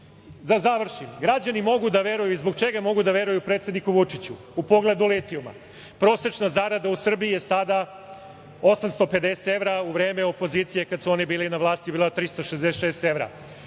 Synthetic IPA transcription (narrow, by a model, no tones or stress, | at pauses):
zazaʋr̩ʃimɡɾad͡ʑanimo̞ɡud̪aʋe̞ɾujuizboɡ̚t͡ʃeɡamo̞ɡud̪aʋe̞ɾujupɾet̪sʲed̪nikuʋut͡ʂit͡ɕu | upo̞ɡle̞d̪ulet̪iuma̰ | pɾo̞se̞t͡ʃnazaɾad̪ausr̩biijesad̪a | o̞samst̪o̞pe̞d̪eseeʋɾauʋɾe̞ːmeo̞po̞ziːt̪sije̞kad̪suo̞nibiːlinaʋlˠaːst̪ibiːlat̪ɾist̪oʃezd̪esʃeːst̪e̞ʋɾa̰